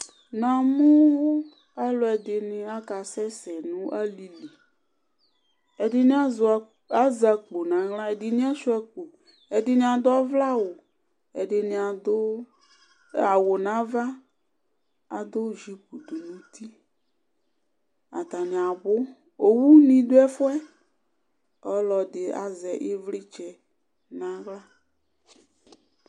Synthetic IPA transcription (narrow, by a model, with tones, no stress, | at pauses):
nã˨mʊ̃˦ | a˦lɔ˨ɛ˨dɪ˨nɪ̃˨a˦ka˨sɛ˦sɛ˨nũ˦ʔa˦li˨li˨ | ɛ˨dɪ˨nɪ̃˦a˦z | a˦za˨k͡po˨nã˨ɣlã˦ɛ˨dɪ˨nɪ̃˦a˦ʃu˦ɛ˦k͡po˨ | ɛ˨dɪ˨nɪ̃˨a˨d̪ʊ˦a˦vla˦wʊ˨ | ɛ˨dɪ˨nɪ̃˨a˨d̪ʊ˦ | a˨wo˨nã˨˦va˦ | a˨d̪o˦ʒi˦pu˨d̪o˨nũ˦t̪i˦ | a̰˨t̪a˨nĩ˨a˨bʊ˦ | o˨wu˦nĩ˨d̪o˦ɛ˦fʊ˦ɛ˦ | ɔ˦lɔ˨dɪ˨a̰˨zɛ˨ʔe˦vli˦t͡ʃɛ˦ | nã˨˦ɣla˦